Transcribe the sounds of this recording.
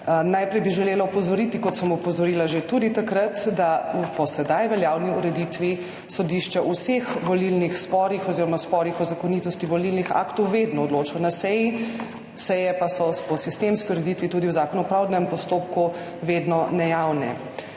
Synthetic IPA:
najpɾɛjbiʒɛleːlaɔpɔzɔɾit̪ikɔt̪səmɔɔpɔzɔɾiːlaʒet̪uːd̪it̪akɾat̪d̪apɔsɛd̪ajʋɛljaːwniuɾɛd̪it̪ʋi | sɔd̪iʃt͡ʃɛʔusexʋɔlilnixspɔːɾixɔziːɾɔmaspɔɾixɔzakɔniːt̪ɔst̪iʋɔlilnixa̰ːkt̪ɔwʋed̪nɔːd̪loːt͡ʃɔnasɛji | sɛjɛpasɔpɔsist̪emskiuɾɛd̪it̪ʋit̪uːd̪iwzaːkɔnupɾawd̪nɛmpɔst̪opku | ʋed̪nɔnɛjawnɛ̰

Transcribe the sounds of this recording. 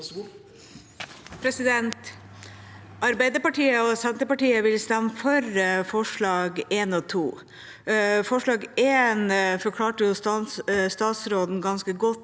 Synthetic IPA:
pʰɾɛsɪd̪ɛnt̪ | ʔɑɾbæɪd̪əpɑʈiːəɔsɛnt̪əpɑʈiːəʋɪlst̪ɛmːəfɔɾfɔʂɭɑːɡeːnɔt̪ʰuː | fɔʂɭɑːɡeːnfɔɾkʰlɑːʈəjʊst̪ɑst̪ɑːt̪sɾoːd̪n̩ɡɑnskəɡɔt̪ː

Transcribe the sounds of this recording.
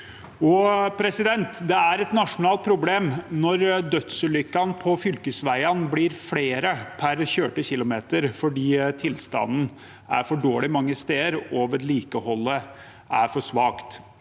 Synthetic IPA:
ɔpʰɾɛsɪd̪ɛnt̪d̪ɛæɾɛt̪nɑʂʊnɑːlt̪̚pʰɾʊbleːmnɔɾd̪œt̪səlʏkːɑnpʰɔfʏlkəsʋæɪɑnbliːɾfleːɾəpʰæɾçøːʈəçɪlːʊmeːt̪əɾfɔɖiːt̪ʰɪlst̪ɑ̰nn̩ | æ̰ɾfɔɖoːɭɪmɑŋːəst̪eːəɾoʋəɾɭiːkəhɔlːə | ʔæɾfɔʂʋɑːkt̪

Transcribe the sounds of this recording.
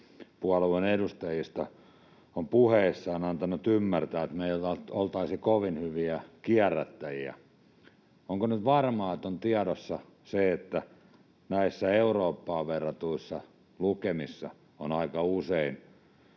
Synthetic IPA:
puɑlueneɾust̪ɑjist̪ɑ | ompuheisːɑːnɑnt̪ɑnut̪ymːært̪æːet̪meijætɑtolt̪ɑisikoʋinhyʋiækiærːæt̪ːæjiæ̰ | oŋkonyt̪ʋɑrmɑːet̪ont̪iɑɾosːɑ | seet̪ːæ | næisːæeuroːpːɑːʋʋerːɑt̪uisːɑ | lukemisːɑ̰ | onɑikɑusein

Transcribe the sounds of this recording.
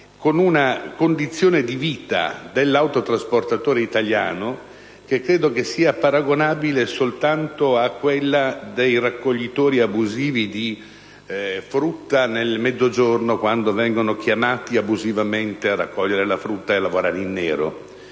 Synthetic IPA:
konunakond̪it̪sːjoːned̪iviːt̪a̰d̪elːawt̪ot̪ɾasport̪at̪oːɾeit̪alja̰ːno | k̟ekːɾeːd̪okesːiːapaɾaɡonaːbilesolt̪ant̪oakːwelːad̪ejrakːoʎːit̪oːɾiabuziːvid̪i | fɾut̪ːanelmɛd̪zːod͡ʒornokwand̪ovɛŋɡonokjamaːt̪iabuzivament̪eara̰kːɔʎːeɾelafɾut̪ːaelːavoɾaːɾeinːɛːɾo̰

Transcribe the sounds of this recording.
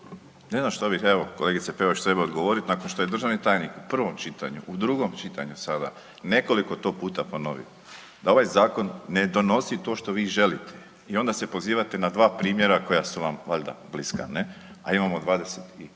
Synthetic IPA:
ne̞znamʃt̪abixeʋo̞koleɡit̪sepeʋoʃt̪ɾe̞baod̪ɡoʋo̞ɾit̪naːko̞nʃt̪o̞je̞d̪r̩ʒaʋnit̪aːjnikupr̩ʋo̞mt͡ʃit̪a̰ɲṵud̪ɾuɡo̞mt͡ʃit̪aɲusad̪a̰ | ne̞ko̞likot̪o̞ːpuːt̪apo̞no̞̰ʋḭo | d̪ao̞ʋajzaːko̞nːed̪o̞no̞sit̪o̞ːʃt̪o̞ʋiːʒe̞lit̪ʰe̥ | io̞nd̪ase̞po̞ziːʋat̪e̞nad̪ʋaːpɾiːmje̞ɾako̞jasuʋamʋaʎʲd̪a̰bliska̰nea̰imamod̪ʋaːd̪e̞set̪i

